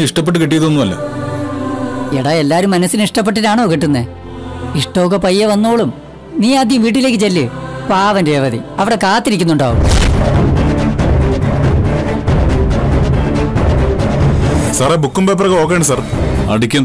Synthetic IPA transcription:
iʂʈɐpːe̞ʈ̬ːɨkiʈ̬ːijɐðuonːumɐlːo̰ | eɽae̞lːaːɾumːɐnɐsːiniʂʈɐpːeʈːinaːɳoːkiʈːunːe | iʂʈoːkːɐpɐjːɐʋɐnːoːɭum | niːaːd̪ʱjɐmʋiːʈ̬ːile̞ːkːɨt͡ɕelːɨpaːʋɐnde̞ːʋɐðiɐʋiɽekaːt̪ːiɾikʲːunːuɳɖaːʋṵm | sɐrebukːumbeːp̬ːrɐɣɐo̞ːkːejɳsɐrɐ̰ɽikʲːɐ

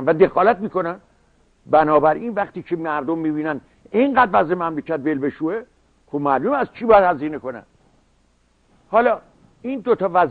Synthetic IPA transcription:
nvæd̪e̞xɒːlæt̪miːko̞næn | bænɒːbæɾiːnvæχt̪iːcʰemæɾd̪omːiːbiːnæn | eŋɢæd̪væzemæmlecʰæt̪velbe̞ʃuːe | xobmælumæzt͡ʃʰiːbɒjæd̪hæziːneko̞næ̰n | hɒːlɒː | iːnd̪ot̪ʰɒːvæz

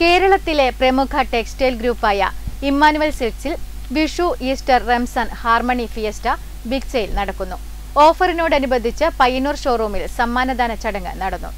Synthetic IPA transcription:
ke̞ːɾɐɭɐt̪ːile̞prɐmukʰɐʈeksteːlɡɾuːpːaːjɐ̰imːaːnuʋɐlsiʈsil | ʋiʂuʔiːsʈɐrremsɐnhaːrmɐɳifijɐstɐ | biksɐjilnɐɽɐkːunːu | o̞ːfɐrino̞ːɽɐnubɐd̪ʱːit͡ɕːɨpɐjɐnuːrʂoːruːmilsɐmːaːnɐd̪aːnɐt͡ɕɐɽɐŋːɨ̰nɐɽɐnːṵ

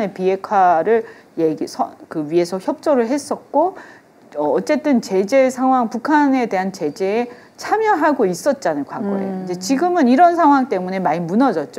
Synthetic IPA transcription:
nepie̞kʰwaɾɯɭ | jeɡsʰʌkɯɥie̞sʰʌçjʌp̚t͡ɕ͈oɾɯɭɦe̞s͈ʌt̚k͈o | ʌːt͡ɕ͈e̞t͈ɯnt͡ɕe̞d͡ʑe̞sʰaŋɦwaŋpukʰane̞te̞ɦant͡ɕe̞d͡ʑe̞ː | t͡ɕʰamjʌɦaɡois͈ʌt̚t͈anɯnkwaŋɡo̰ḛoid͡ʑe̞t͡ɕiɡɯmɯniɾʌnsʰaŋɦwaŋt͈e̞mune̞maɲimunʌd͡ʑʌt̚t͡ɕ͈o

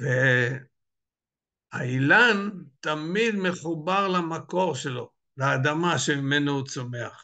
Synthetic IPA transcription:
ve | ailant̪amid̪meχubaʁlamako̞ʁʃelo̞ | leːd̪amaʃemimenohut͡someaχ

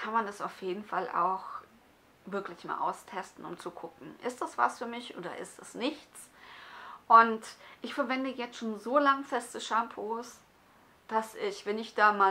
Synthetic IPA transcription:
kʰanmandasaʊfjeːdn̩falʔa̰ʊx | vɪɐklɪçma̰ːlʔa̰ʊstʰɛstn̩ʊ̰mt͡sukʰʊkŋ̩ʔɪ̰std̥asv̥a̰sfyːɐmɪçʔoːdɐ̰ʔɪ̰stɛsnɪçt͡s | ʔʊntʔɪçfɛɐvɛndəjɛt͡stʃoːnzoːlaŋfɛstəʃampʰoːs | d̥asɪçv̥ɛnɪçd̥aːmaː

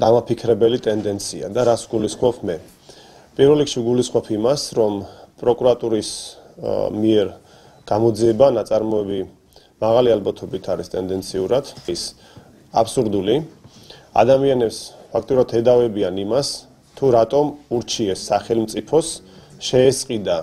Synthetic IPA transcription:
d̪̥amapʰikʰɾɛbɛlit̪ʼɛnd̪ɛnt̪sʰia̰d̪aɾasvɡulisχɔpʰmɛ | pʼiɾvɛlːikʰʃivɡulisχwɔpʰimasɾɔmpʼɾɔkʼuɾat̪ʼuɾis | miɛɾ | ɡ̥amɔd̪ziɛbanat̪sʼaɾmɔɛbi | maʁalialbat̪ʰɔbit̪ʰaɾist̪ʼɛnd̪ɛnt̪sʰiuɾad̪̥is | a̰psuɾd̪uli | a̰d̪amianɛpspʰak̚ʰt̪ʼiuɾat̪ʰɛd̪avɛbianimas | t̪ʰuɾat̪ʼɔmuɾt͡ʃʰiɛsːaχɛlˠmt̪sʼipʰɔsʃɛːsʼqʼid̪a

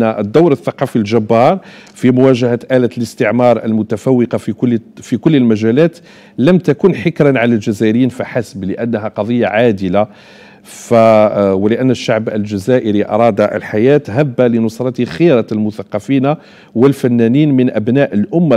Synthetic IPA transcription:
aʔəd̪ːawɾəθːɑqɑfilʒæbːɑɾˤfimʊwæʒæhæt̪ʔælæt̪ləst̪əʕmɑɾˤʔə̰lmʊt̪æfæwːəqɑffikʊlːəlmæʒælæt̪ | læmt̪ækunħəkɾænʕalælʒæzæʔəɾəjːiːnfiħasbləʔænːɦæqɑd̪ˤəjːa̰ʕad̪əla | fæwəlɪʔænːəʃːaʕbə̰lʒæzæʔəɾiʔɑ̰ɾˤɑd̪aʔə̰lħajæt̪ɦæbːalinʊsˤɾˤɑt̪xiɾɑlmʊθɑqːɑfina | wəlfænːæniːnmənʔæbnæʔəlʔʊmːa

